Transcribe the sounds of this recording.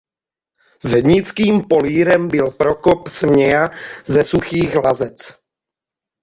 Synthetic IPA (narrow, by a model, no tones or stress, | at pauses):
zɦɛdɲɪt͡skiːmpo̞liːɾɛmbɪlpɾo̞kopsmɲɛjazɛsuxiːɣlazɛt͡s